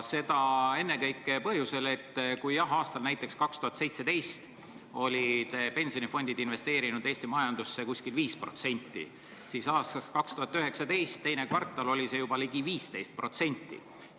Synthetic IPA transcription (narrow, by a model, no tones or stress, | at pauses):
se̞d̪̥ɑe̞nːe̞kɤjkːˑepɤhɦjuse̞le̞t̪ːkujjɑɦɑːst̪ɑlnæjt̪ˑːe̞kskɑkst̪uhɑt̪se̞jt̪se̞d̪e̞jst̪ | o̞lʲit̪pe̞nʲsionifo̞nʲd̪id̪inve̞st̪e̞ːɾinud̪e̞ːsʲt̪imɑjɑnd̪̥usːekusʲkilviːspro̞̰t̪se̞nʲt̪ˑːḭ | sisɑːst̪ɑskɑkst̪uhɑt̪ːˑøɦe̞ksɑt̪e̞jst̪ːe̞jnekvɑrt̪ːˑɑlo̞lʲise̞jubɑliɡiviːst̪e̞jst̪̚pro̞t̪se̞nʲt̪ˑːḭ